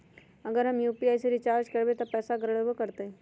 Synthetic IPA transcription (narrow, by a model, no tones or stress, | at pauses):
ɐɡəɾɦɐmjuːpiaːjseɾɪt͡ʃaːɾd͡ʒkɐɾbet̪opɛːsaɡɾəɽəbəkəɾt̪eɛ̃